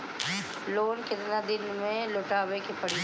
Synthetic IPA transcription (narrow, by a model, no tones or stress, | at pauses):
loːnkɪd̪ɪnad̪ɪnmẽloʈaːbekipɐɽi